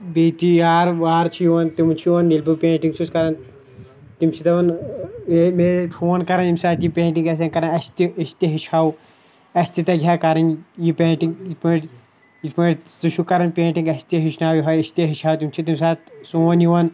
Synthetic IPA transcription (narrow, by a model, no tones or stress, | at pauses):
biːt̪iaːɾʋaːɾt͡ʃʰijuʋɐnt̪imt͡ʃʰijuʋɐnilʲpupẽːɳʈiŋɡsuskɐɾɐn | t̪imt͡ʃʰit̪ɐʋɐnmemepʰoːnkɐɾɐnt̪imsaːt̪jipẽːɳʈiŋɡɐsɐnkɐɾɐnɐst̪iɐst̪iɦiʃʰaːw | ɐsʲt̪it̪ɐɡʲʱaːkɐɾɐnjipẽːʈiŋɡit̪piːʈ | it̪pɐsuʃʰukɐɾɐnpẽːʈiŋɡɐst̪iɦiʃʰnaːwjiɦɐjɐst̪iɦiʃʰaːwt̪imt͡ʃʰit̪imsaːt̪suːɐnjuʋɐn